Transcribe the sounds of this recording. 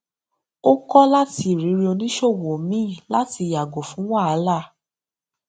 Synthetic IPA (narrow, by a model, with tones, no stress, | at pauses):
o˦kɔ˦la˦ti˧˦˨ɾi˨˦ɾi˧o˧nĩ˦ʃo˦˨wo˨o˨mĩ˦˨la˦ti˧˨ja˨ɡo˨fũ˨˦wa˦a˨˧˦la˦˨